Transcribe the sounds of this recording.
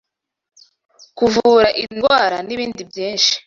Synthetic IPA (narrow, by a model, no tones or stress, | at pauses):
kuvuːɾaʔiŋɡwaːɾaniβiːndibjiːnʃi̥